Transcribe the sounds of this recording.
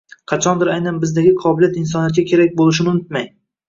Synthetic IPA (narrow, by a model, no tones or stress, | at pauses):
qʰɑt͡ʃʰɒnd̪ɪɾajnanbɪzd̪aɡʲɪqʰɒbɪlijat̪ɪns̬ɒnijat̪̚ɡʲakʲʰe̞ɾak̚ʲbolˠɪʃ̬ɪnɪʊnɪt̪maj